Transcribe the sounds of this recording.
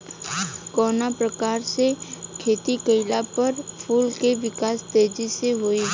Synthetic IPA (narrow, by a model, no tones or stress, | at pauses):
kɔːnapɾəkaːɾsekʰeːt̪ikəɪlapɐɾpʰuːlkeʋɪkaːst̪eːd͡ʒiseɦoːi